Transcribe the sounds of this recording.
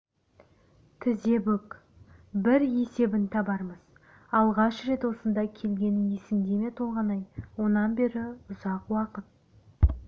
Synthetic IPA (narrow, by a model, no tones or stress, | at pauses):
t̪ʰɪze̞bɵk | bɪɾje̞se̞bɪnt̪ʰɑbɑɾməz̥ | ɑlˠʁɑʃɾe̞t̪wo̞sənd̪ɑkʲʰe̞lɡʲe̞nɪŋje̞sɪmd̪e̞me̞t̪ʰolˠʁɑnɑjwo̞nɑnbe̞ɾɪʊzɑqwɑqət̪̚